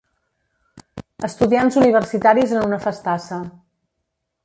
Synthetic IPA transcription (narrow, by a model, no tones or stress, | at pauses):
əst̪uðianzuniβ̞ərsit̪aɾizənunəfəst̪asə